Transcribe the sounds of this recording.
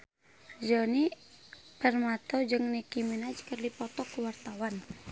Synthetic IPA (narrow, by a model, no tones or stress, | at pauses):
d͡ʒɔni | pɛrmat̪ɔd͡ʒɨŋnikiminad͡ʒkərdipɔt̪ɔkuwart̪awan